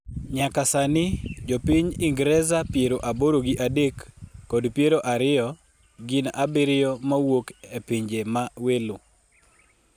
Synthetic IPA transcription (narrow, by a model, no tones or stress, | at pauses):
ɲakasanɪd͡ʒopiɲɪŋɡɾɛzapjeɾoʔaboɾoɡiʔadekːɔdpjeɾoʔaɾɪjɔ | ɡɪnʔabɪɾɪjɔmawokepiɲd͡ʒemawelo